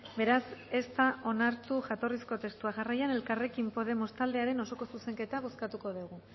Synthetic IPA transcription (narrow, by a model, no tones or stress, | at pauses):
be̞ɾase̞st̪aʔo̞naɾt̪uʝat̪o̞risko̞t̪e̞st̪uaʝarajane̞lkare̞kimpo̞ð̞e̞mo̞st̪ald̪e̞aɾe̞no̞so̞ko̞suse̞ŋke̞t̪aɣo̞skat̪uko̞ðuɣ̞u